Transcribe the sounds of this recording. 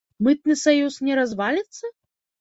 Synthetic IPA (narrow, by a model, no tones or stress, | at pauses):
mɨt̪̚nɨsajusnʲɛɾazvalʲit̪sːɐ